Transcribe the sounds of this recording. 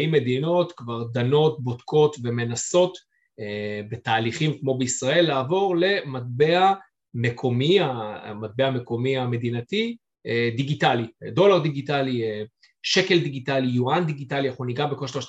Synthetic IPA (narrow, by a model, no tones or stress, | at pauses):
imːe̞d̪ino̞tkvaʁd̪ano̞t̚bo̞tko̞tve̞me̞naso̞t̪ | ebetaːliχimkmo̞beisʁae̞lːaːvo̞ʁle̞mat̚be̞a | me̞kʰo̞miamat̪̚be̞ame̞ko̞miame̞d̪inati | d̪iɡitalido̞laʁd̪iɡitalie | ʃe̞ke̞ld̪iɡitalijuand̪iɡitaliaχuniɡabekoʃloʃ